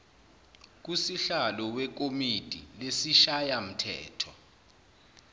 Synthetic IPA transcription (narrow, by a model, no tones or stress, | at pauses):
k̬usiɬalɔwɛk̬omitʼilesiʃajam̩tʰɛ̰ːtʰɔ